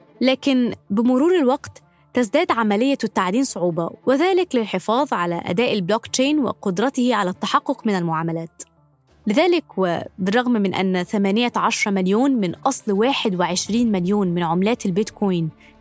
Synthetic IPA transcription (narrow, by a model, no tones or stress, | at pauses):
læːkɪnbɪmʊɾuːɾɪlwɑqt̪ː | æzd̪æːd̪ʕamælɪjːæt̪ːaʕd̪iːnsˤoʕuːbɑwɪðæːlɪklɪlħɪfɑːðˤʕalæ̰ʔæ̰d̪æːʔɪlbloːkt͡ʃeːnwɪ̰qʊd̪ɾˤɑt̪ɪhʕalæt̪ːaħɑqːʊqmɪnælmʊʕaːmalæːt̪ | lɪðæːlɪkwɪ̰bɪrˤːɑɣmmɪnʔæ̰nːθæmæːnɪjaʕɑʃɾˤɑmaljoːnmɪnʔɑsˤlwaːħɪd̪wɪʕɪʃɾiːnmɪljuːnmɪnʕomlæːt̪ɪlbɪt̪kʰoːjn